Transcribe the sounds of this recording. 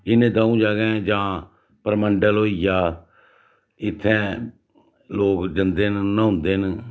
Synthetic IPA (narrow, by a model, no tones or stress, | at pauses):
ɪnẽːd̪aːũːd͡ʒaːɡɛ̃ːd͡ʒãː | pəɾməɳɖəlɦoːijaː | ɪt̪ʰːɛ̃ː | loːkd͡ʒənd̪eːnːaʊ̃nd̪eːɦn